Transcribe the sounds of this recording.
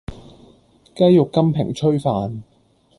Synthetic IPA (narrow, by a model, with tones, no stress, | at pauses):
kɐ˥jjʊ˨kːɐ˥mpʰɪ̰˨˩ŋt͡ʃʰɵ˥ɥfaː˨n